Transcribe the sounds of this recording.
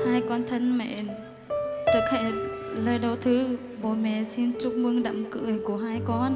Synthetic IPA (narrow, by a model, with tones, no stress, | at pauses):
haː˧jkɔ˧nt̪ʰə˧nmɛ̰˧˨n | t͡ɕɨ˨˩k̚hḛ˧˩ləː˧˩jɗə˨˧˩wt̪ʰɨ˨˦ | ɓo̰˧˨mɛ̰˧˨si˧nt͡ɕʊ˦˥k͡p̚mɨ˧ŋɗə̰˧˨mkɨ̰˧˨əjku˧˩əɦaː˧jkɔ˧n